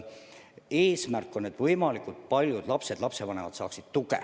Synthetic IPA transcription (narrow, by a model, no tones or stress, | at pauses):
eːsmærkˑːo̞ne̞t̪vɤjmɑlikut̪̚pɑlʲjud̪̥lɑpse̞d̪̥lɑpse̞vɑne̞vɑt̪sɑ̰ːksid̪̥t̪ukḛ